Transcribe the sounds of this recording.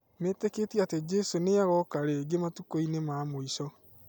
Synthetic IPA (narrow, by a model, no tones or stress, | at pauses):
meteketjated͡ʒɛsoneaɣɔkaɾeɡematukoinemamoisɔ